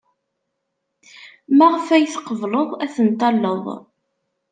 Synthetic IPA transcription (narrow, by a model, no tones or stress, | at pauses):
mæʁfæjθqːəvləðˤæθənt̪ːɑlːəðˤ